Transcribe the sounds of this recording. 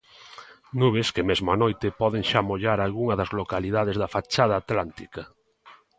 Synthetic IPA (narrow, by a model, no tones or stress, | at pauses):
nuβ̞eskemezmoanojt̪epɔð̞eŋʃamoʎaɾalɣuŋɐðɐzlokaliðað̞ezðafat͡ʃaðaːt̪lant̪ika